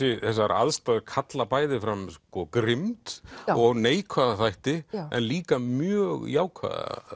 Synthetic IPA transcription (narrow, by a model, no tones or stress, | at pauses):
ɪθɛsːaɾa̰ðst̪aðkʰat̪lapaːjðɪfɾamskɔkɾɪmt̪ɔɣaneːjkʰvaðaθajht̪ɪɛ̰nliːkamjœːɣjaːwkʰva̰ːða̰